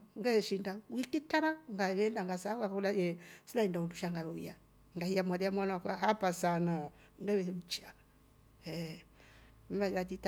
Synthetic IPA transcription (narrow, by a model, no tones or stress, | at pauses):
ŋɡɛʃindawikitaɾaŋɡaβɛndaŋɡasawakulajɛsilaindaunduʃaŋɡaɾuḭja | ŋɡaijamwaɾiamwanakaɦapasana | ŋɡɛwɛut͡ʃa | ɛ | m̩βaatita